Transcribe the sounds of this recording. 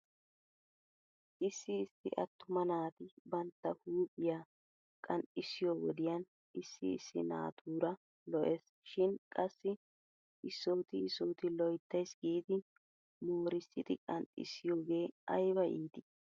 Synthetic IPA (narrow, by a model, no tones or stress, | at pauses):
ʔɪsːɪːstɪ̰ʔɐt̪ːʊmɐnaːt̪ɪbɐnt̪ːɐhuːkʼɪjaː | kʼɐntɪsɪjoːwɔd̪ɪjɐn | ɪsːɪ̰ɪ̰sːɪ̰na̰ːt̪ʰuːɾɐ | lɔʔe̞ːs | ʃɪnkʼɐsːɪ | ʔɪsːoːt̪ɪɪsoːt̪ɪlɔjt̪ːɐjsɡiːd̪ɪ | nuːɾɪst̪ɪt̪ɪkʼɐntʼɪ̰sɪjoːɡe̞ːɐjbɐʔiːt̪ɪ